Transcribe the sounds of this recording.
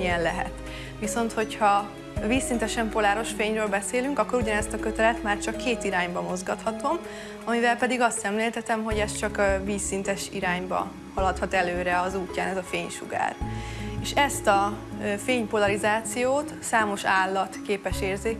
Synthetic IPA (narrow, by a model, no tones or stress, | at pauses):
iɛnlɛɦɛ̰t̪ | ʋiso̞nt̪ho̞chɒ | viːsːint̪ɛʃɛmpo̞laːɾo̞ʃfeːɲrøːlbɛseːlyŋkɒkːo̞ɾuɟɒnɛst̪ɒkø̞t̪ɛlɛt̪maːrt͡ʃɒkːeːt̪iɾaːɲbɒmo̞zɡɒt̪hɒt̪o̞m | ɒmivɛlpɛd̪iɡɒst̪sɛmleːlt̪ɛt̪ɛmɦo̞ɟɛst͡ʃɒkviːsːint̪ɛʃiɾaːɲbɒ̰ | hɒlɒt̪hɒt̪ɛløːɾɛɒzuːcːaːnɛzɒfeːɲʃṵɡa̰ːreːʃɛst̪ɒfeːɲpo̞lɒɾizaːt̪sijoːt̪saːmo̞ʃaːlːɒt̪keːpɛʃeːrzeː